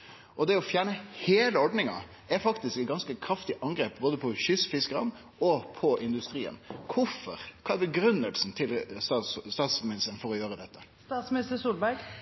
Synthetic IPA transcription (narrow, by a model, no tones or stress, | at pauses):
ʔɔd̪ɛɔfjæːɳəheːləɔɖnɪŋɑ̰ | ɛfɑkt̪ɪskɛt̪̚ɡɑnskəkʰɾɑft̪ɪʔɑŋɡɾeːp̚boːd̪əpʰɔɕʏsfɪskəɾɑn | ɔpʰɔʔɪnd̪ʉst̪ɾḭːə̰nkʰʊfɔ̰ɾkʰɑːæbəɡɾʉnːəlsn̩t̪ʰɪlsɑst̪ɑːt̪smɪnnɪst̪əɾənfɔɾɔjøːɾəd̪ɛt̪ːəst̪ɑːt̪smɪnɪst̪əsuːlbæɾɡ